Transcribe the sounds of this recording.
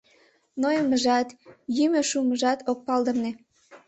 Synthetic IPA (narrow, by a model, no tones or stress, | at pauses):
nojəməʒɑt̪jymøʃuməʒɑt̪ok̚pɑld̪ə̆mne